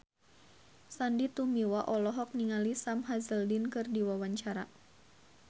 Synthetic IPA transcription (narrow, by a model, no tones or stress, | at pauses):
sandit̪umiwaʔɔlɔɦɔk̚niŋalisamɦazəldinkɨrdiwawaɲt͡ʃaɾa̰